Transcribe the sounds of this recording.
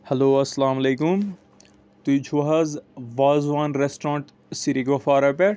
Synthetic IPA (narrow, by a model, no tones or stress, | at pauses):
hɐloːɐsːɐlaːmɐleːkum | t̪ud͡ʒʰʱuɦɐzʋaːzʋãːnɾesʈɾãːɳʈ | siɾiɡofaːɾɐpe